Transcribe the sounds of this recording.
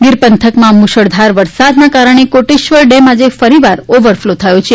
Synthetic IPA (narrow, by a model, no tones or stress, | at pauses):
ɡɪɾpənt̪ʰəkmãmuʃəɽd̪ʱaɾʋəɾsad̪nakaɾəɳ̃ekoʈiʃʋəɾɖɛmad͡ʒefəɾiʋaɾoʋəɾflot̪ʰəjõt͡ʃʰe